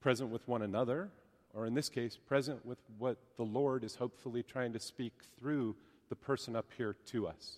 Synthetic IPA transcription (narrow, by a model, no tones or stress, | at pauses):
pʰɹ̥ɛzə̃nʔwəðwʌ̃ñɨnʌðə˞ | ʔə˞ɨ̃nðɪskʰeɪspʰɹ̥ɛzɨ̃nʔwɪðwʌt̪̚ðəlɔɹɾɨz̥hoʊpfl̩ˠitʰɹ̥aɪɪ̃ŋtʰɨspik̚θɹʉ | ðəpʰɜ˞sɨ̃nʌphiɹɾʰɨʌ̰s